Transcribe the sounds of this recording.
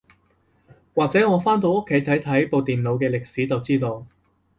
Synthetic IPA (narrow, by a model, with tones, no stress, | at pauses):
waː˨k̚t͡sɛː˨˥ŋɔː˨˧faː˥nt̪o˧wo˥kʰːe˨˥jt̪ʰɐ˨˥jt̪ʰɐ˨˥jpo˨wt̪iː˨nlo˨˧wkɛː˧lɪ˨k̚siː˨˥t͡sɐ˨wt͡siː˥t̪o˧w